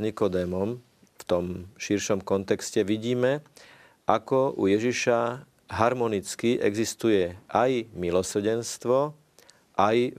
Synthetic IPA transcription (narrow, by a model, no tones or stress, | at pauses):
ɲikɔd̪ɛːmɔm | ft̪ɔmʃiɾʃɔmkɔnt̪ɛkscɛʋiɟiːmɛ | ʔakɔṵjɛʒiʃa | ɦaɾmɔnit͡skiʔɛ̰ɡzist̪ujɛʔajmilɔsr̩ɟɛnst̪ʋɔ | ʔaj